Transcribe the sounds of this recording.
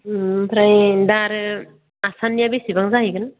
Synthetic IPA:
pʰɾajdaɾɯ | asanːijabesibaŋzaɦjɡɯn

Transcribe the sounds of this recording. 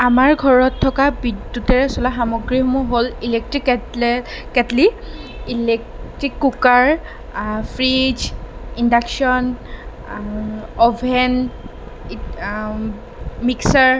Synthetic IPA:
amaɹɡʱɔɹɔtʰːɔkabidutɛɹɛsɔlaxamɔɡɹimuɦolilek̚tɹik | kɛtli | ilɛktɹikːukaɹ | pʰɹid͡ʒindaksɔn | ɔbʱɛn | miksaɹ

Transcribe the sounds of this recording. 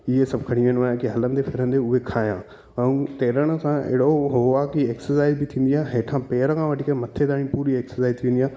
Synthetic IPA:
ɪɦesɐbʱkʰɐɽ̃iʋẽnʋaːjãkiɦɐlə̃nd̪efʰɪɾə̃nd̪eʊɦekʰaːjã̰ː | ə̃ũt̪eːɾəɽ̃ə̆sãḛɦɽoɦoʋakieːksəsaːɪzbɪt̪ʰĩːnd̪iaːɦeːʈʰãpeːɾkʰãʋɐʈʰikemɐt̪ʰed̪aːɽ̃ĩpuːɾieːksəsaːɪzt̪ʰiʋẽːnd̪iaː

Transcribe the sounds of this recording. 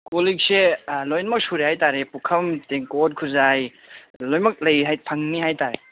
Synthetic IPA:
kolik̚selojnɐmɐk̚suɾehajtaɾepukʰɐmteŋkot̚kʰuzaj | lojmɐk̚lɐjɦajpʰaŋnihajtaɾe

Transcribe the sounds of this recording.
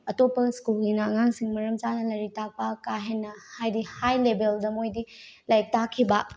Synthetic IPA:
ɐtopːɐskulɡinɐŋaŋsiŋmɐɾɐmt͡ʃanɐlɐɾitak̚pɐkaɦenːɐhajdihajlebeldɐmojdilɐjk̚takʰːibɐ

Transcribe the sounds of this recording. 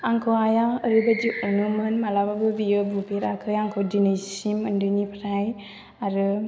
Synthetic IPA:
aŋkʰoajaəɾibad͡ʒiʔɔnɯmɯnmalababɯbijɯbupeɾakʰɯjaŋkʰodinejsiməndɯnipʰɾaj | aɾɯ

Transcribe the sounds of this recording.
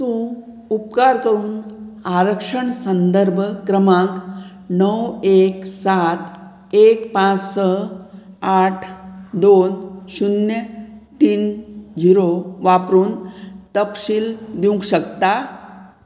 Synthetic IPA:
t̪ũː | upkaɾkəɾuːnaɾəkʂəɳsənd̪əɾbʱkɾəmãk | nəweksat̪ | ekpãt͡ssə | aʈʰd̪onɕunjət̪iːnd͡ʑiɾoʋapɾuːnt̪əpɕiːld̪ũŋkɕəkt̪a

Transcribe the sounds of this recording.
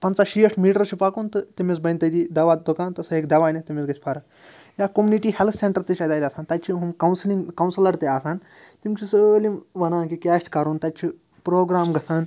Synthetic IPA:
pɐnt͡saʃijɐʈʰmiːʈɐɾt͡ʃʰipakunt̪ɨt̪imit͡sbɐjnʲt̪ɐd̪id̪ɐʋaːd̪ukaːnt̪ɨsɐɦeːkd̪ɐʋaːnit̪imʲisɡɐt͡ʃʰʲpʰɐɾɐ | jaːkomʲuniʈiːhelt̪ʰseɳʈɐɾt̪it͡ʃʰʲat̪aːjt̪ʲaːsaːnt̪ɐt̪̚ʲt͡ʃʰiɦumkɐwnsliŋkɐwnsilɐɾt̪iaːsaːn | t̪imt͡ʃʰisəlimʋɐnaːnkikʲaːʃʈkɐɾunt̪ɐt̚ʲt͡ʃʰi | pɾoːɡɾaːmɡɐsaːn

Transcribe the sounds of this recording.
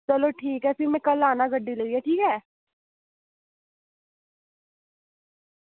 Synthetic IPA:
t͡ʃəloːʈʰiːkɦɛːsimɛ̃kəlaːnaɡəɖːiləɡiɛːʈʰiːkɦɛː

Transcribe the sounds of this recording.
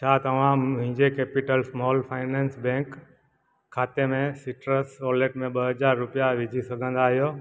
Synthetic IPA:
t͡ʃʰaːt̪əmãmɦɪ̃ɲd͡ʒekeːpɪʈəlsmɔːlpʰaːɪnẽːnsbẽːkʰː | aːt̪emẽsɪʈɾəsoːleːʈmẽɓəɦəd͡ʒaːɾːʊpijaʋɪd͡ʒʱisəɡʱə̃nd̪aːɦijoː

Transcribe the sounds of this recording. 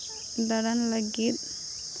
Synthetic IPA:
d̪ɐɽɐnlɐɡit̪̚

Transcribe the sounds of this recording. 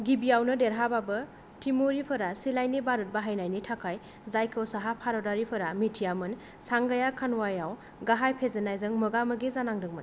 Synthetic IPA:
ɡibijawnɯdeɾɦababɯ | tʰimoɾipʰɐɾasilajnibaɾut̚baɦajnajnitʰakʰaj | zajkʰɯwsaɦapʰaɾɔdaɾipʰɯɾamitʰijamɯn | saŋɡajakʰanwajaw | ɡaɦajpʰezenajzɯŋmɯɡamɯɡizanaŋdɯŋmɯn

